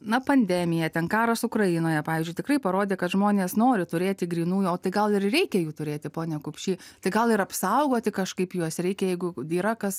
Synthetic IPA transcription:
nɐpɐnʲd̪ʲɛmʲɪjɛt̪ʲɛnkɑːɾɐsʊkrɐjɪnoːjɛpɑːʋʲiːzʲd͡ʒʲʊɪt̪ʲɪkrɐɪpɐɾoːd̪ʲeːkɐt̪ʒmoːnʲeːsnoːɾʲɪt̪ʊɾʲeːt̪ʲɪɡɾʲiːnuːjoːt̪ɐɪɡɐlˠɪrrʲɛɪkʲɛjuːt̪ʊɾʲeːt̪ʲɪpoːnʲɛkʊpʲʃʲiːt̪ɐɪɡɐlˠɪɾɐpsɐʊɡoːt̪ʲɪkɐʃkɐɪpjuɔsɾʲɛɪkʲɛjɛɪɡʊiːɾɐkɐs

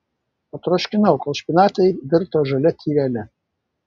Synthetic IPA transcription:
ɐt̪ɾoːʃʲkʲɪnɐʊkɔlˠʃʲpʲinɑːt̪ʲɛɪd̪ʲɪɾt̪oʒɐlʲɛt̪ʲʰiːʋʲɛːlʲɛ

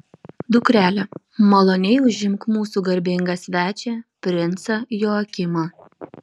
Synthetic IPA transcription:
d̪ʊkɾʲæːlʲɛ | mɐlˠonʲɛɪʊʒʲɪmˑkmuːsuɡɐɾʲbʲɪŋɡɐsʲʋʲæːt͡ʃʲɛpʲɾʲɪnt̪sɐjoːɐkʲɪmɑ

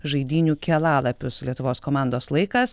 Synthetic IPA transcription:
ʒɐɪd̪ʲiːnʲuːkʲɛlˠɑːlˠɐpʲʊslʲiɛt̪ʊʋoːskoːmɑˑnd̪oːslˠɐɪkɐs

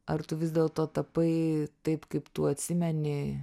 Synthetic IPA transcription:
ɐrt̪ʊʋʲɪzd̪ʲɛːlˠt̪oːt̪ɐpɐɪt̪ɐɪpkɐɪpt̪uɐt̪ʲsʲɪmʲɛnʲɪ

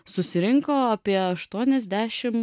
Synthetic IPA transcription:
sʊsʲɪɾʲɪŋkoːɐpʲiɛɐʃt̪uɔnʲɛzʲd̪ʲæːʃʲɪm

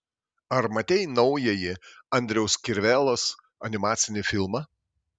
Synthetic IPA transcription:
ɐɾmɐt̪ʲɛɪnɒʊjɛjɪɐnʲd̪ʲɾʲɛʊskʲɪɾʲʋʲɛlˠoːs | ɐnʲɪmɑːt̪sʲɪnʲɪfʲɪlˠmɐ

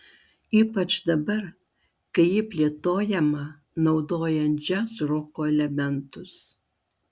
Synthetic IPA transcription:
iːpɐt͡ʃd̪ɐbɐɾ | kɐɪjɪpʲlʲeːt̪oːjɛmɐ | nɐʊd̪oːjɛnʲd͡ʒʲɛsɾoːkoːɛlʲɛmʲɛnt̪ʊs

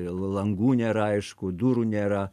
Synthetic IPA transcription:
lˠɐŋɡuːnʲɛɾɑɪʃkud̪uɾunʲɛːɾɑ

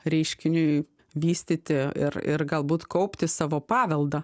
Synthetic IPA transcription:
ɾʲɛɪʃʲkʲɪnʲʊɪ | ʋʲiːsʲt̪ʲit̪ʲɪɪ̰rɪ̰ɾɡɐlˠbuːt̪kɐʊpʲt̪ʲɪsɑːʋoːpɑːʋʲɛlˠd̪ɐ

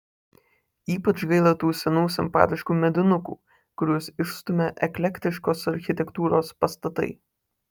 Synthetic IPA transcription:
iːpɐt͡ʃɡɐɪlˠɐt̪uːsʲɛnuːsʲɪmpɑ̰ːt̪ʲɪʃkuːmʲɛd̪ʲɪnʊkṵː | kʊɾʲuɔsɪʃst̪ʊmʲeʔɛklʲɛkʲt̪ʲɪʃkoːsɐɾʲxʲɪt̪ʲɛkt̪uːɾoːspɐst̪ɐt̪ɐ̰ɪ

